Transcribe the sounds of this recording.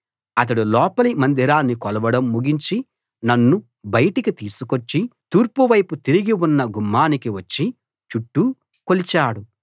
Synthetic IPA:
ɐt̪̬ɐɽulɔːpɐlimɐnd̪iɾaːnːikɔlɐʋɐɽɐmːuɡiɲt͡ʃi | nɐnːu | bɐjɐʈikit̪iːsukot͡ʃːit̪uːɾpuʋɐjput̪iɾiɡiwunːɐɡumːaːnikiʋɐt͡ʃːi | t͡ʃuʈːu | kolit͡ʃaːɽu

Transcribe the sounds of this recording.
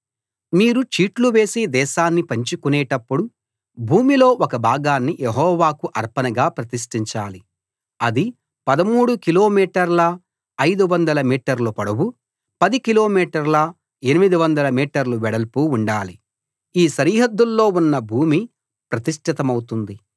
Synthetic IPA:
miːɾut͡ʃiːʈluʋe̞ːsid̪ɛːʃaːnːipɐɲt͡ʃukunɛːʈɐpːuɽu | bʱuːmilo̞ːʔɔkɐbʱaːɡaːnːijeɦɔːʋaːkuʔɐɾpɐnɐɡaːpɾɐt̪iʂʈiɲt͡ʃaːli | ɐd̪i | pɐd̪ɐmuːɽukilo̞ːmiːʈɐɾlɐː | jd̪uʋɐnd̪ɐlɐmiːʈɐɾlupɐɽɐwu | pɐd̪ikilo̞ːmiːʈɐɾlɐ | enimid̪iʋɐnd̪ɐlɐmiːʈɐɾluʋɛɽɐlpuuɳɖaːli | iːʃɐɾiːɦɐd̪ːulːo̞ːunːɐbʱuːmi | pɾɐt̪iʂʈʰit̪ɐmɐwut̪und̪i

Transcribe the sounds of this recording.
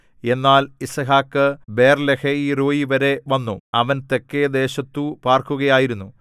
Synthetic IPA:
e̞nːaːlisɐɦaːkːɨbe̞ːrleheiːroːjiʋɐɾe̞ʋɐnːuɐʋɐnt̪e̞kːed̪e̞ːɕɐt̪ːupaːrkuɣɐjaːjiɾunːu

